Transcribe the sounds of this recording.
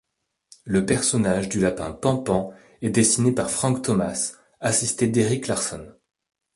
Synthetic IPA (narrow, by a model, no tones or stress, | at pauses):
ləpɛʁsɔnaʒd̪ylapɛ̰̃pɑ̃pɑ̃ | ɛd̪esinepaʁfχɑ̃kt̪ɔmas | asist̪ed̪eʁiklaʁsɔn